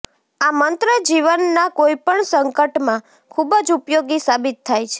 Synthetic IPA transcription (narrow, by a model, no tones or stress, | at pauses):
amənt̪ɾəd͡ʒiʋənːakojipəɳsəŋkəʈmã | kʰubəd͡ʒupjoɡisabit̪ʰːajt͡ʃʰe̥